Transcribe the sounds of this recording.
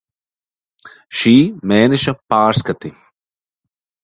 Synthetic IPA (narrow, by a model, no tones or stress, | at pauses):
ʃiːmeːnɛʃɐpaːɾskat̪i